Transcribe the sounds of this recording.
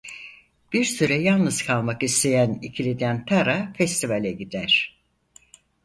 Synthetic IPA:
b̥iɾsyɾɛjalˠnɯz̥kʰalˠmakist̪ejænicʰilʲid̪ænpʰaɾafɛst̪ʰivalʲɛɟid̪æɾ̥

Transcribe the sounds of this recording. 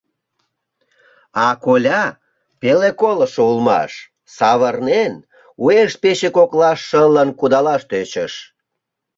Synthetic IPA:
ɑkolʲɑ | pelekoləʃoulmɑ̰ʃ | sɑβərnen | ueʃ̚peɕekoklɑʃːələnkud̪ɑlɑʃt̪øt͡ɕəʃ

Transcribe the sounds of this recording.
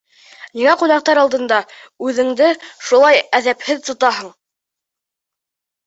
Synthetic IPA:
niŋæqunɑq̚t̪ɑɾɑlˠd̪ɤ̆nd̪ɑʉðɘ̆ŋd̪ɘʃulˠɑjæðæphɘðt̪ŏt̪ɑɦɤɴ

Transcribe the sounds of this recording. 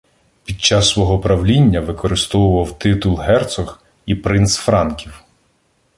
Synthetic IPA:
pʲid̪̚t͡ʃːɑsːʋɔɦɔpɾɐwlʲinʲːɐʋɪkɔɾɪst̪ɔwʊʋɐwt̪ɪt̪ʊlˠɦɛrt̪sɔx | ipɾɪnsfɾɑnkʲiw

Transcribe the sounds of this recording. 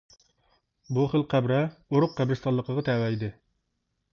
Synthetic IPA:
buχəlqʰæbɾɛoɾʊqːæbɾɪst̪ɑllːˠəqəʁɑt̪ʰɛwɛjd̪ɪ

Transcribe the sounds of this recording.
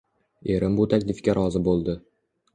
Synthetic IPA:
e̞ɾɪmbʊt̪ʰakʲlɪfkʲaɾʔɒzɪbolˠd̪ɪ

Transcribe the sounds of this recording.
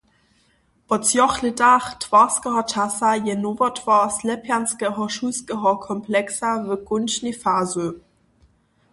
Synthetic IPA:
ʔɔt͡sjɔχlədaχtʰv̥aːskəhɔtʰasajɛnoːvɐtʰv̥aslɛpʰjanskəɦɔʃuskəɦɔkʰɔmpʰlɛksavəɡʊnʃnefaːzø

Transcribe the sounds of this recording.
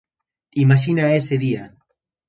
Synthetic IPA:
imaʃ̬inaeseðia

